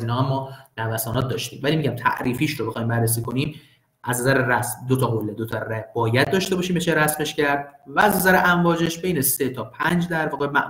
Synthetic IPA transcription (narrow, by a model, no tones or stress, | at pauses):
iːnhɒːæmːɒːnævæsɒːnɒːt̪̚d̪ɒːʃt̪ḭːmvælimiɟæmt̪ʰæ̰ʔɾiːfiːʃɾobe̞xɒːjmbærːes̬iːko̞niːm | ʔæznæzæɾeɾæsmd̪ot̪ʰɒɣolːed̪ot̪ʰɒræbɒːjæd̪̚d̪ɒːʃt̪e̞bɒːʃiːmbet͡ʃʰeɾæsme̞ʃcæɾd̪̚væːznæzæɾeʔæɱvɒːd͡ʒeʃb̥e̞jnese̞t̪ʰɒːpʰænd͡ʒd̪æɾbɒːɣemæ̰ʔ